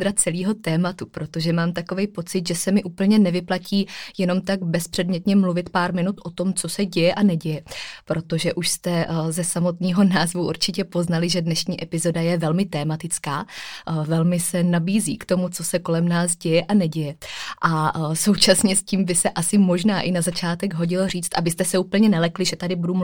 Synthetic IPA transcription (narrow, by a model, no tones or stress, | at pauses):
ɾat͡sɛliːɦo̞t̪ɛːmat̪upɾo̞t̪o̞ʒɛmaːmt̪ako̞vɛjpo̞t͡sɪd̪ʒɛsɛmɪʔuːpl̩ɲɛnɛvɪplaciːjɛno̞mt̪aɡbɛspr̝̥ɛdmɲɛt̪ɲɛmluvɪt̪paːɾmɪnut̪ʔo̞t̪o̞mt͡so̞sɛɟɛjɛʔanɛɟɛjɛpɾo̞t̪o̞ʒɛʔuʃst̪ɛzɛsamo̞t̪ɲiːɦo̞naːzvuʔuɾt͡ʃɪcɛpo̞znalɪʒɛdnɛʃɲiːʔɛpɪzo̞dajɛvɛlmɪt̪ɛːmat̪ɪt͡skaːvɛlmɪsɛnabiːzḭːkt̪o̞mut͡so̞sɛko̞lɛmnaːsɟɛjɛʔanɛɟɛjɛʔaso̞wt͡ʃasɲɛsciːmvɪsɛʔasɪmo̞ʒnaːʔɪnazat͡ʃaːt̪ɛɡɦo̞ɟɪloriːt͡st̪ʔabɪst̪ɛsɛuːpl̩ɲɛnɛlɛklɪʒɛt̪adɪbudum